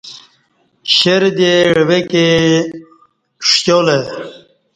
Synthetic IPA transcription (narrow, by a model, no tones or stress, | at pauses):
ɕeɾd̪eɽweke | ʂjole